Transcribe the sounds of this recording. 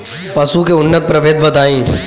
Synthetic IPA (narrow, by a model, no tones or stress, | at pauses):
pɐsukeʊnːət̪̚pɾɐbʱeːt̪̚bət̪aːĩː